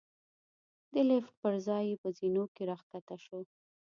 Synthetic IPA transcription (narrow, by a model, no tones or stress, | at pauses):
d̪əlefpəɾzɑjepəzinokeɾɑxk̪at̪aʃo